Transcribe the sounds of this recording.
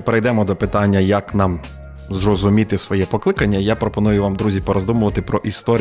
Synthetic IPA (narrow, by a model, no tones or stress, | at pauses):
peɾejd̪ɛmɔd̪ɔpɪt̪ɑnʲːɐjɐknɑm | zrɔzʊmʲit̪ɪsʋɔjɛpɔklˠɪkɐnʲːɐijapɾɔpɔnujʊʋamd̪ɾuzʲipɔɾɔzd̪umʊʋɐt̪ɪpɾɔʔist̪ɔɾʲ